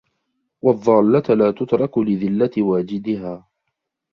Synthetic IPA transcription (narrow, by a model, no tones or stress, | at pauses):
wɑðˤːɑːlːat̪laːt̪ʊt̪ɾˤɑklɪðɪlːat̪waːd͡ʒɪd̪ɪɦaː